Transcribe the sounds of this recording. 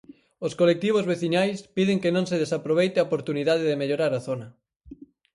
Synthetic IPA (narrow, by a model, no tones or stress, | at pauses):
oskolek̚t̪iβ̞ozβeθiɲajspiðeŋkenõŋseð̞esapɾoβ̞ejt̪eaopoɾt̪uniðað̞eðemeʎoɾaɾaθonɐ